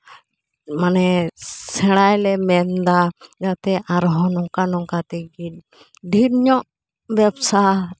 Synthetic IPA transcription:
manɛsɛɽajlɛmɛnd̪ad͡ʒat̪ɛʔaɾɦɔ̃nɔŋkanɔŋkat̪ɛɡit̚ | ɖʱiɾɲɔʔ | bɛbsa

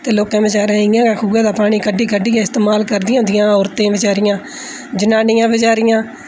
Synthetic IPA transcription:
t̪eːloːkãːbɪt͡ʃaːɾãːɪãːkaːkʰuːɡãːd̪aːpaːɽ̃iːkəɖːiːkəɖːiːãːɪst̪eːmaːlkəɾd̪ɪjãːʊnd̪ɪjãːɔːɾt̪ẽːʋɪt͡ʃaːɾɪjãː | d͡ʒənaːnɪjãːʋɪt͡ʃaːɾɪjãː

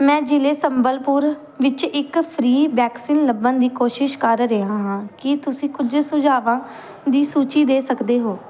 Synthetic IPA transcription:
mɛ̃ːd͡ʒɪleːsəmbəlpʊɾ | ʋɪt͡ʃɪkpʰɾiːʋɛːksiːnləbãːd̪iːkoːʃɪʃkəɾɾəɦãːɦãːkɪt̪ʊsĩːkʊd͡ʒsʊd͡ʒaːʋãː | d̪iːsuːt͡ʃiːd̪eːsəkd̪eːɦoː

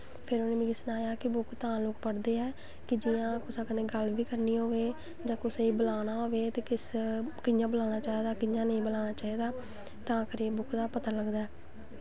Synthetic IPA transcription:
pʰɪɾonẽːbĩːɡɪsnaːjaːkɪbʊkt̪ãːlʊkpəɽd̪eːɛː | kɪd͡ʒɪjãːkʊsaːkəneːɡəlʋiːkəɾniːɦoːʋeː | d͡ʒãːkʊseiːbəlaːnaːɦoːʋeːt̪eːkɪskɪjãːbəlaːnaːt͡ʃaːiːd̪aːkɪjãːnəĩːbəlaːnaːt͡ʃaːiːd̪aː | t̪ãːkəɾeːbʊkd̪aːpət̪aːləɡd̪aːɛː

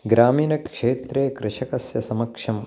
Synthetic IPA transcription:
ɡɾaːmiːnɐkʂeːt̪ɾeːkɾɪʂɐkɐsjɐsɐmɐkʂɐm

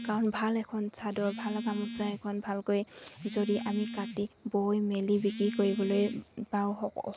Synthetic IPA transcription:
kaɹɔnbʱalɛkʰɔnsʰadɔɹbʱalaɡamusaɛkʰɔnbʱalkojzodiʔamikatibojmelibikɹikoɹibɔlojbaɹu

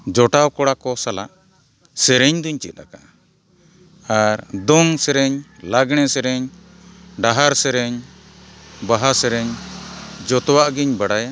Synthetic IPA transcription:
d͡ʒɔʈawkɔɽakɔsalaʔ | sɛɾɛɲd̪uɲt͡ʃit̪̚ɾaka | aɾd̪ɔŋsɛɾɛɲlaɡɽ̃ɛsɛɾɛɲ | ɖaɦaɾsɛɾɛɲ | baɦasɛɾɛɲ | d͡ʒɔt̪ɔwaʔɡiɲbaɽaja

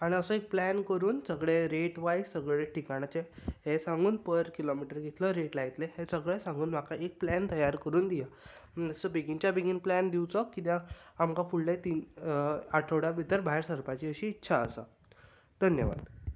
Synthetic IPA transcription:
aɽ̃iəsəek̚plænkəɾuːnsəɡɭeɾeʈʋajsəɡɭeʈʰikaɽ̃at͡ɕeɦesãŋɡʱuːnpəɾkilomiʈəɾɡʱet̪ləɾeʈlait̪leɦesəɡɭesãŋɡuːnm̤akaʔek̚plænt̪əjaɾkəɾuːnd̪ija | əsəbiɡint͡ɕjabiɡinplænd̪iwt͡sɔkːit̪aamkafuɭlet̪iːn | aʈʰəwɽabit̪əɾbʱaɦeɾsəɾpat͡ɕiəɕiːtːɕʰaəsa | d̪̥ʱənjə̰ʋa̰d̪

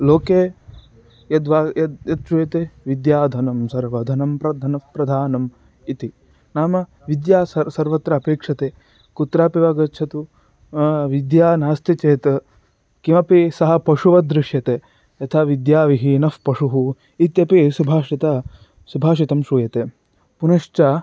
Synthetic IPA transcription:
loːkeː | jɐd̪ʋaːjɐjɐt̪̚ʃuːjɐt̪eʋid̪jaːd̪ʱɐnɐmsɐɾʋɐd̪ʱɐnɐmpɾɐd̪ʱɐnɐfpɾɐd̪ʱaːnɐm | it̪i | naːmɐ | ʋid̪jaːsɐsɐɾʋɐt̪ɾɐːpeːkʂɐt̪eː | kut̪ɾaːpiʋaːɡɐtːt͡ʃʰɐt̪u | ʋid̪jaːnaːst̪it͡ʃeːt̪ɐ | kimɐpisɐɦɐ̆pɐʂuʋɐd̪ɾɪʂjɐt̪eː | ɐt̪ʰaʋid̪jaːʋiɦiːnɐfpɐʂuɦu | it̪jɐpisubʱaːʂit̪ɐ | subʱaːʂ̬it̪ɐmʃuːjɐt̪eː | punɐʂt͡ʃaː

